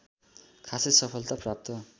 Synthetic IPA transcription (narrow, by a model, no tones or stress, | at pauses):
kʰasisʌpʰʌlt̪aprap̚t̪ʌ